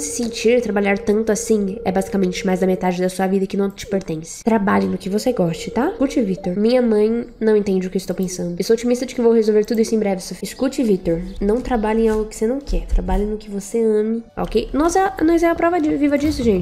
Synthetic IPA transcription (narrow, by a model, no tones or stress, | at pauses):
sɪ̥sẽnt͡ʃiɾt̪ɾabaʎaɾt̪ɐ̃nt̪ʊasĩɛbazikamẽnt͡ʃɪmajzd̪ɐmet̪ad͡ʒɪd̪ɐsuɐvid̪ɐkɪnɐ̃w̃t͡ʃɪ̥peɾt̪ẽsɪ̥t̪ɾabaʎẽj̃nʊkɪvoseɡɔst͡ʃɪt̪akut͡ʃɪvit̪oɾmĩɲɐmɐ̃j̃nɐ̃w̃ẽnt̪ẽnd͡ʒɪʊkɪist̪owpẽsɐ̃nd̪ʊesoot͡ʃimist̪ɐd͡ʒɪkɪewvowhezowveɾt̪ud̪ʊisʊẽbɾɛvɪsofɪskut͡ʃɪvit̪oɾnɐ̃w̃t̪ɾabaʎẽẽawɡʊkɪ̥senɐ̃w̃kɛɾt̪ɾabaʎẽj̃nʊkɪvoseɐ̃mɪo̰kejnɔzɛnɔjzɛɐpɾɔvɐd͡ʒɪvivɐd͡ʒisʊʒẽt͡ʃɪ